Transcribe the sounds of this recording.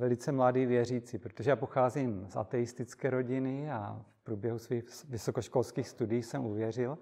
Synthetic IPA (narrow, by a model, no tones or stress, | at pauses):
vɛlɪt͡sɛmladiːvjɛriːt͡sipɾot̪oʒɛjaːpoxaːzimsʔa̰t̪ɛjɪst̪ɪt͡skɛːɾo̞ɟɪnɪa̰fpɾuːbjɛɦusviːxvɪsokoʃkolskiːxst̪udiiːsɛmuvjɛrɪl